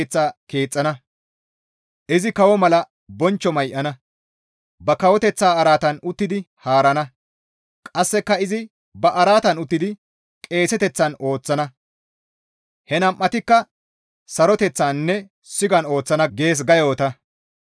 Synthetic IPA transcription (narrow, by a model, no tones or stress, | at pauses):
t͡sːaːke̞ːt͡sʼːɐnɐ | ʔɪzɪkɐwɔmɐlɐ | bɔnt͡ʃːɔmɐjʔɐnɐ | bɐkɐwɔt̪ɛt͡sːaːɐɾaːt̪ɐnʊt̪ːɪd̪ɪ | haːɾɐnɐ | kʼɐsːɛkːɐɪzɪ | bɐʔɐɾaːt̪ɐnʊt̪ːɪd̪ɪ | kʼe̞ːsɛt̪ɛt͡sːɐno̞ːt͡sːɐnɐ | hɛnɐmʔːɐt̪ɪkːɐ | sɐɾɔt̪ɛt͡sːaːnːɛ | sɪɡɐno̞ːt͡sːɐnɐɡe̞ːs̬ɡɐjoːt̪ɐ